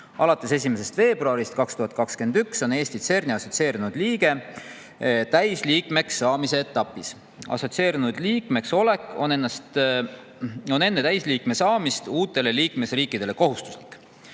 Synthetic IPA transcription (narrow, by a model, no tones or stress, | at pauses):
ɑlɑt̪ˑːe̞se̞s̬ʲimese̞st̪ve̞ːbruɑɾist̪̚kɑkst̪uɦɑt̪̚kɑkske̞nd̪ykso̞ne̞ːsʲt̪it̪se̞rniɑso̞t̪sie̞ːɾinud̪̥liːɡ̥e̞ | t̪æjsliːkme̞ksːɑːmise̞ːt̪ːˑɑpːˑis | ɑ̰so̞t̪se̞ːɾinud̪̥liːkme̞kso̞le̞kːˑo̞ne̞nːɑst̪ | o̞ne̞nːe̞t̪æjsliːkme̞sɑːmist̪uːt̪ːˑe̞le̞liːkme̞sriːkːˑid̪̥e̞le̞ko̞ɦust̪u̥sli̥kːˑ